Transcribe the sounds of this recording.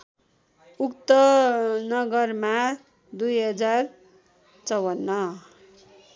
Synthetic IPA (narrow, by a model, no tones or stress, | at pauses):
ukt̪ʌnʌɡʌrma | d̪ujɦʌd͡zar | t͡sʌwʌnːʌ